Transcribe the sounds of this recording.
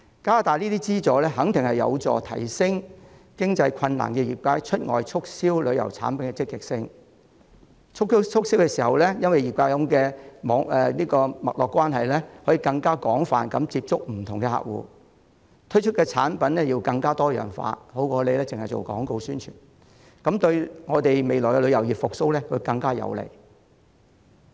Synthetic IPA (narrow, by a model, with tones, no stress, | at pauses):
kaː˥t̪aː˨liː˥t̪i˥t͡siː˥t͡sɔː˨˥lɛː˥ɦɐ˨˥ŋt̪ʰɪ˨ŋhɐ˨jɐ̰˨˧wt͡sɔ̰ː˨t̪ʰɐ̰˨˩jsɪ˥ŋkɪ˥ŋt͡sɐ˧jkʷʰɐ˧nna̰ː˨˩nkɛː˧jiː˨t̚kʷaː˧˥jt͡ʃʰɵ˥t̚ŋɔ̰ː˨jt͡ʃʰʊ˥k̚siː˥wlɵ˨˧ɥjɐ̰˨˩wt͡sʰa̰ː˨˥npɐ˨˦nkɛː˧t͡sɪ˥kːɪ˨k̚sɪ˥ŋ | t͡ʃʰʊ˥kst͡ʃʰʊ˥k̚si˥wkɛː˧siː˨˩hɐ˨wlɛː˥jɐ˥nwɐ˨ji˨k̚kʷaː˧˥jɐ˨˧mkɛː˧mɔː˨˥ŋɛː˨liː˥kɔː˧mɐ̰˨t̚lɔː˨kʷːwaː˥nɦɐ˨jlɛː˥hɔː˨˥ji˨˧kɐ˧ŋkaː˥kɔː˨˥ŋfa̰ː˨nkɐ˨˥mt͡siː˧p̚t͡sʊ˥k̚m̩˨˩t̪ʰʊ˨˩ŋkɛ˧ha̰˨k̚wṵː˨˧ | t̪ʰɵ˥ɥt͡ʃʰɵ˥t̚kɛː˧t͡sʰaː˨˥npɐ˨˥nlɛː˥ji˧wkɐ˧ŋkaː˥t̪ɔː˥jœ̰ː˨˩ŋfa̰ː˧ho˨˥wkɔː˨˧le˨˧jlɛː˥t͡sɪ˨ŋhɐ˨jt͡ʃo̰˨˩wkɔ̰ː˨˥ŋko˧wsyː˥nt͡ʃʰyː˨˩n | kɐ˨˥mt̪ɵ˧ɥŋɔː˨˧t̪e˨jme˨jlɔː˨˩jkɛ˧lɵ˨˧ɥjɐ˨˩wjiː˨˩p̚fʊ˨k̚so˥wlɛː˥kʰɵ˧kɐ˧ŋkaː˥jɐ̰˨˧wlḛ˨˩j